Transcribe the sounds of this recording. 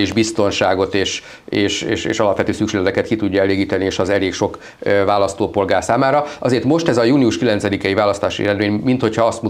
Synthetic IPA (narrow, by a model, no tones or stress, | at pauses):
iʒbist̪o̞nʃaːɡo̞t̪eːʃ | eːʃeːʃḛːʃɒlɒpʋɛt̪øːsykʃeːd̪ɛt̪ɛkɛt̪kit̪uɟːɒɛleːɡiːt̪ɛnieːʃɒzɛleːkʃo̞k | vaːlɒst̪oːpo̞lɡaːrsaːmaːɾɒɒzeːrt̪mo̞ʃt̪ɛzɒjuːniuʃkilɛnsɛd̪ikɛjivaːlɒst̪aːʃḭɛ̰ɾɛd̪meːɲmint̪ho̞cʰhɒɒst̪mu